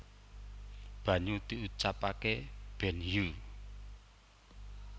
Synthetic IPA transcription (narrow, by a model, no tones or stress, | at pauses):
b̥ä̤ɲut̪iut͡ʃapakeb̥ɛ̤nju